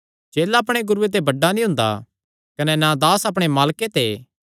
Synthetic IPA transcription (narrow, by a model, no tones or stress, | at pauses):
t͡ʃeːlaɐp̬ɽ̃eɡʊɾuet̪̬ebɐɖːanĩɦʊ̃nd̪a̰ | kɐnɛnad̪aːsɐp̬ɽ̃emaːlket̪eː